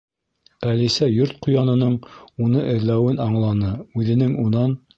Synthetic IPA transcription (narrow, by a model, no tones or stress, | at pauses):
ælisæjoɾt̪̚qujɑnɤ̆nɤɴunɤʔɘ̆ðlæwɘnɑɴlˠɑnɤʉðɘ̆nɘŋunɑn